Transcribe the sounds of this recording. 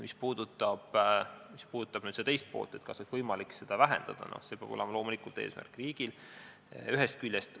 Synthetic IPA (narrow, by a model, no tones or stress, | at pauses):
mispuːd̪̥ut̪ˑːɑb̥mispuːd̪ut̪ːˑɑb̥nyːd̪̥set̪ejst̪̚po̞ːlt̪ˑe̞t̪kɑsonvɤjmɑlikse̞d̪̥ɑvæɦe̞̰nd̪̥ɑd̪̥ɑ̰no̰hse̞peɑ̰b̥o̞lemɑlo̞ːmulikult̪e̞ːsmæ̰rkˑriːɡ̥il | yɦe̞st̪̚kylʲjest̪